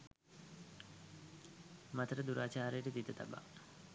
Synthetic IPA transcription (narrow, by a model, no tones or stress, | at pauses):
mat̪əɾəd̪uɾaːt͡ʃaːɾejʈid̪it̪ət̪a̰ba̰